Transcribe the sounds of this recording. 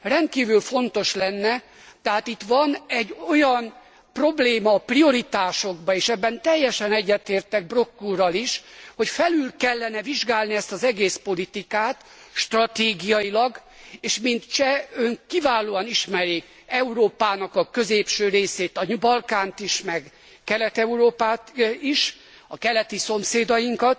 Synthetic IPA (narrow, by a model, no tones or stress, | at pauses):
rɛnt̪̚kiːvylfo̞nt̪o̞ʃlɛnːɛ | t̪ɛɦaːt̪it̪ʋɒnɛɟːo̞jɒn | pro̞bleːmɒːprio̞ɾit̪aːʃo̞ɡbɒeːʃɛbːɛnt̪ɛjːɛʃɛnɛɟːɛt̪eːrt̪ɛɡ̚bro̞kːurɒliʃho̞cfɛlylkɛlːɛnɛviʒɡaːlniɛst̪ɒzɛɡeːspo̞lit̪ikaːt̪ | ʃt̪rɒt̪eːɡijɒjilɒɡ | eːʃmint̪t͡ʃɛøŋkivaːloːɒniʃmɛɾik | ɛuɾoːpaːnɒkɒkø̞zeːpʃøːɾeːseːt̪ɒɲubɒlkaːnt̪iʃmɛɡ | kɛlɛt̪ɛuɾoːpaːt̪iʃ | ɒkɛlɛt̪iso̞mseːd̪ɒjiŋkɒt̪